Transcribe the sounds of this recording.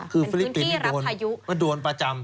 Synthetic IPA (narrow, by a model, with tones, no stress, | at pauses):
kʰɯː˧ffi˧li˦pːi˧nʰi˥du˧əna˧ju˦˥ma˥˩du˧ənpɾa˧t͡ɕa˧m